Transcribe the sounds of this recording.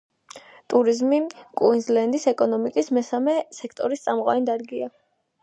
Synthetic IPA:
t̪ʼuɾizmikʼwinzlɛnd̪isɛkʼɔnɔmikʼismɛsamɛsɛkʰt̪ʼɔɾist̪sʼamqʼwa̰nd̪aɾɡia

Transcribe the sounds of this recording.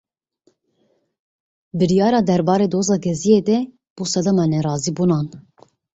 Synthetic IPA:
bɨɾijɑːɾɑːd̪ɛɾbɑːɾeːd̪oːzɑːɡɛzijeːd̪ɛ | b̥usɛd̪ɛmɑnɛrɑːzibunɑːn

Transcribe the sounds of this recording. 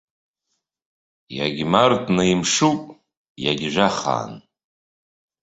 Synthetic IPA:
jaɡʲmartʼnaimʂupʼ | jaɡʲʒʷaχa̰ːn

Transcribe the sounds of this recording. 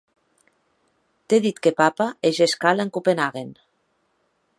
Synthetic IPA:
t̪eðit̪kepapaeʒeskaleŋkupenaɣen

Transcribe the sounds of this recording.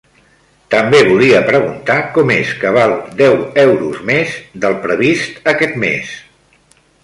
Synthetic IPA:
t̪əmbeβuliəpɾəɣ̞unt̪akɔmeskəβ̞alˠd̪ɛwɛwɾuzmezd̪əlˠpɾəβist̪əkɛt̪mḛs

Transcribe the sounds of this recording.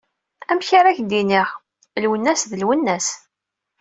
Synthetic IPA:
æmçaɾæçd̪iniʁ | lwənːæsðəlwənːæs

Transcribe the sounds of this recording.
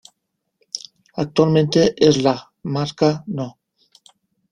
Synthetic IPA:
ak̚t̪ualmẽnt̪eʔezla | maɾkano

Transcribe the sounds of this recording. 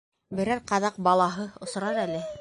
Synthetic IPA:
bɘ̆ɾæɾqɑðɑq̚bɑlˠɑɦɤŏs̆ɾɑɾælɘ

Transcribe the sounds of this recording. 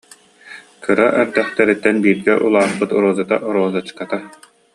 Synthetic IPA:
kɯɾaʔɛɾd̪ɛχt̪ɛɾit̪ːɛnbiːɾɡɛʔulˠaːχpɯt̪ɔɾɔːzɯt̪aʔɔɾɔːzɯt͡ɕkat̪a

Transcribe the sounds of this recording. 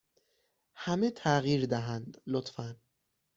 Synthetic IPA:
hæmet̪ʰæɣiːɾd̪æɦænd̪lot̪fæn

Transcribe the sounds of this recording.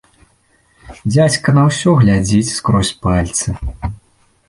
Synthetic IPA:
d͡zʲat͡sʲkɐnɐwsʲɔɣlʲad͡zʲit͡sʲskɾɔsʲpalʲt̪sɨ

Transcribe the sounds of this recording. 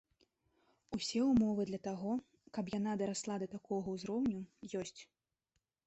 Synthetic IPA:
usʲɛumɔvɨd̪lʲɐt̪aɣɔ | kɐpjan̪ad̪ɐɾaslˠad̪ɐt̪akʰɔɣɐwzɾɔwnʲujɔsʲt͡sʲ

